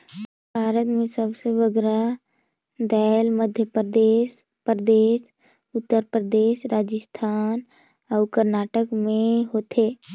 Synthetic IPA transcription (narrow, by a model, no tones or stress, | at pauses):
bʱaːɾət̪mẽsəbseʋəɡɾa | d̪ɛːlməd̪ʱjəpd̪eːʃ | pɾəd̪eːʃ | ʊt̪ːəɾpɾəd̪eːʃɾaːd͡ʒəst̪ʰaːn | ɔːʊkəɾnaːʈəkmẽɦoːt̪eː